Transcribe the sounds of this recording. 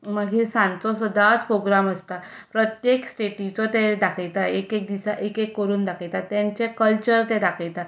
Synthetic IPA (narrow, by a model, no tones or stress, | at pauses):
məɡisãnt͡sɔsəd̪ʱat͡spɾoɡɾaməst̪apɾət̪jeksʈeʈit͡sɔt̪ɛ̃d̪akʰəjt̪aekek̚d̪isaʔekekːəɾuːnd̪akʰəjt̪at̪jãɲt͡ɕekəlt͡ɕəɾt̪ɛ̃d̪akʰəjt̪a